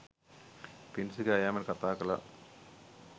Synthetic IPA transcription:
pinsɨkɐjaːmɐnkɐt̪ːaːkːɐla̰

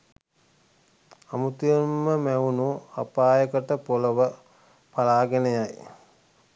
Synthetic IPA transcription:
amut̪ijəmːəmæunua̰paːjəkəʈəpoləʋə | palaːɡenejaj

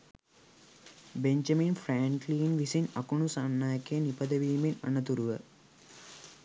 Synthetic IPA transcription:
beɲd͡ʒɐminfraːŋkliːnʋisinɐkuɳusanːaːjɐkejnipɐd̪əʋiːminɐ̰nət̪uɾuʋə

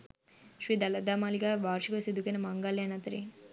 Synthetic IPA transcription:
ʃɾiːd̪ɐlɐd̪aːmaːliɡaʋaːɾʃikosid̪ukɐnɐmɐŋɡaljanɐt̪ɐɾi

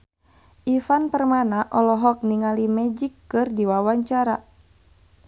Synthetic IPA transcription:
ʔifanpərmanaʔɔlɔɦɔk̚niŋalimɛd͡ʒikːɨrdiwawaɲt͡ʃaɾa

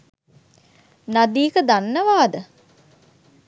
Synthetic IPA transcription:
nad̪iːkəd̪anːəʋaːd̪ə

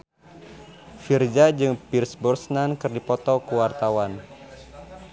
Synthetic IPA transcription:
fird͡ʒad͡ʒɨŋpirsbursnankɨrdipɔt̪ɔkəwart̪awan

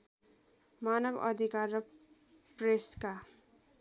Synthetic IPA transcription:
manʌbʌ̰d̪ʱikarːʌ | preska

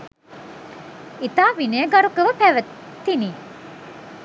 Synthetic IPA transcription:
it̪aːʋinejəɡɐɾukəʋəpæʋət̪ːiniː

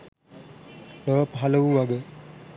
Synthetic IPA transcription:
loːpəɦaləʋuʋaɡə

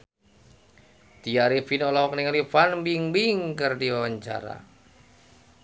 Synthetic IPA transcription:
t̪iaɾifinɔlɔɔkniŋalifanmbiŋbiŋkərdiwawaɲt͡ʃa̰ɾa̰

